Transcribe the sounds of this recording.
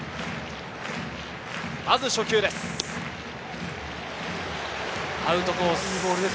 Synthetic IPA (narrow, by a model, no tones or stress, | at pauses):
mazɨɕo̞kʲɨːd̪e̞sɨ̥ | aɯ̟t̪o̞kosɨbo̞ːɾɯd̪e